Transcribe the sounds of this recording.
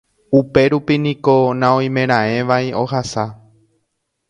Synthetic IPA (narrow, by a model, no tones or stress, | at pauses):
upe̞ɾupinĩko̞nãõj̃mẽ̞ɾ̃ãẽ̞ʋaio̞hasa